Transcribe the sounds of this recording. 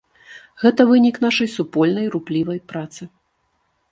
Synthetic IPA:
ɣɛt̪ɐvɨnʲiknaʂɐjsupɔlʲnɐjɾuplʲivɐjpɾat̪sɨ

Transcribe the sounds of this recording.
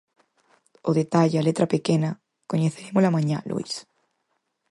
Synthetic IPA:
oðet̪aʎalet̪ɾapekena | koɲeθeɾemozlamãɲa̰lʔṵis

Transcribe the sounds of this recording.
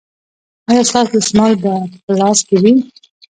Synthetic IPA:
ɑjɑst̪ɑsd̪əsmɑld̪əpəlɑskewi

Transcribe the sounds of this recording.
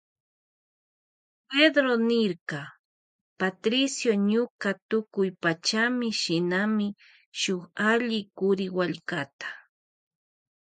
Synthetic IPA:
ped̪ɾonɪɾkɑ | pat̪ɾɪsjoɲʊkat̪ʊkʊjpat͡ʃamɪʃɪnamɪ | ʃʊχaʎɪkʊɾɪwaʎkat̪ḁ

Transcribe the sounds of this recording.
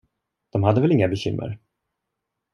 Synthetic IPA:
d̪̥ɔmhad̪ːəvɛlɪŋːabɛɕʏmːʔə̰ɾ

